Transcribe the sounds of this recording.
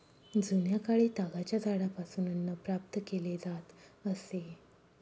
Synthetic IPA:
d͡zunjakaɭiːt̪aɡat͡ɕjad͡zaɽapasuːnənːapɾap̚t̪əkeled͡zat̪əse

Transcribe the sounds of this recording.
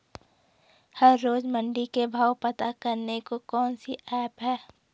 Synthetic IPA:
hɐɾːoːzmə̃ɳɖikebʱaːwpɐt̪akɐɾnekokɔːnsiʔɛːpɦɛː

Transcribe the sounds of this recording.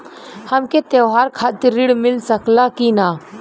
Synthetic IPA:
həmket̪ewɦaːɾkʰaːt̪ɪɾːɪɽmɪlsəklaːkinaː

